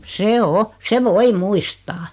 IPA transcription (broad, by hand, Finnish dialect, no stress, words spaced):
se o se ʋoi muistɑː